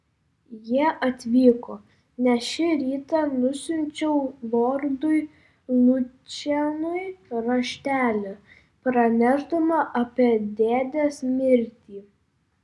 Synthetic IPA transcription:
jiɛʔɐt̪ʲʋʲiːkoː | nʲɛʃʲɪɾʲiːt̪ɐnʊsʲʊnʲt͡ʃʲɛʊʋoːɾd̪ʊɪ | lˠʊt͡ʃʲɛnʊɪɾɐʃʲt̪ʲæːlʲʊ | pɾɐnʲæʒd̪ɐmɐʔɐpʲiɛd̪ʲeːd̪ʲesmʲɪɾʲt̪ʲiː

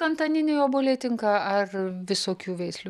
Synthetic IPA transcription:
ɐnt̪ɐnʲɪnʲejoːboːlʲeːt̪ʲɪŋkɑɐrʋʲɪsoːkʲuːʋʲɛɪsʲlʲu

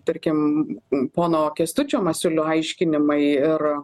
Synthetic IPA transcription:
t̪ɐɾʲkʲɪm | poːnoːkʲɛst̪ʊt͡ʃʲoːmɐsʲʊlʲʊɐɪʃʲkʲɪnʲɪmɐɪɪr

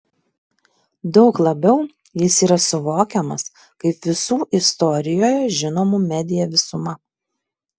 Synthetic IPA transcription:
d̪ɒʊklˠɐbʲɛʊ | jɪsiːɾɐsʊʋoːkʲɛmɐs | kɐɪpʋʲɪsuːʔɪst̪ɔɾʲɪjoːjɛʒʲɪnoːmuːmʲɛd̪ʲɪjɛʋʲɪsʊmɐ

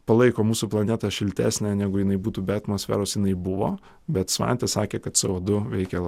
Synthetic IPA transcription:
pɐlˠɐɪkoːmuːsuplˠɐnʲɛt̪ɑʃʲɪlʲt̪ʲæ̰ːsʲnʲænʲæːɡʊjɪnɐɪbuːt̪uːbʲɛɐt̪mosʲfʲæ̰ːɾoːsjɪnɐɪbʊʋo̰ː | bʲɛt̪sʋɑ̰nʲt̪ʲɛsɑːkʲeːkɐt̪t̪sɛoːd̪ʊʋʲɛɪkʲɛ

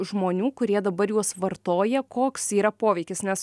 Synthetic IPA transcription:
ʒmoːnʲuːkʊɾʲiɛd̪ɐbɐɾjuɔsʋɐɾt̪oːjɛkoːksiːɾɐpoːʋʲɛɪkʲɪsnʲɛs

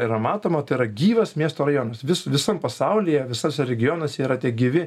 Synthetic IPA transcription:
iɾɐmɑːt̪oːmɐt̪ɐɪɪɾɐɡʲiːʋɐsmʲiɛst̪oːrɐjoːnɐsʋʲɪsʋʲɪsɐmpɐsɐʊlʲɪjɛʋʲɪsɐsʲɛɾʲɛɡʲɪjoːnɐsʲɛiːɾɐt̪ʲiɛɡʲɪʋʲɪ

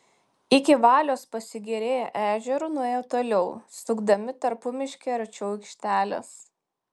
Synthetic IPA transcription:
ɪkʲɪʋɑːlʲoːspɐsʲɪɡʲɛɾʲeːjɛʔæːʒʲɛɾʊnʊeːjt̪oːlʲɛʊst̪ʊɡd̪ɐmʲɪt̪ɐɾpʊmʲɪʃʲkʲeːɐɾt͡ʃʲɛkʲʃʲt̪ʲæːlʲɛ̰s

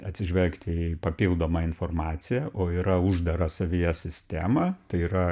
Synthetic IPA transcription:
ɐt̪ʲsʲɪʒʲʋʲɛlʲkt̪ʲipɐpʲiːlˠd̪oːmɐɪnfoːrmɑːt̪sʲɪjɛʔoːiɾɐʊʒd̪ɐɾɐsɐʋʲijɛsʲɪsʲt̪ʲæːmɐːt̪ɐɪiːɾɐ

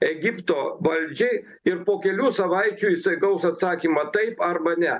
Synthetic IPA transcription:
ɛɡʲɪpt̪oːʋɐlʲd͡ʒʲɛɪ | ɪɾpoːkʲɛlʲuːsɐʋɐɪt͡ʃʲuːisɐɪɡɐʊsɐt̪sɑːkʲiːmɐt̪ɐɪpɐɾbɐnʲɛ

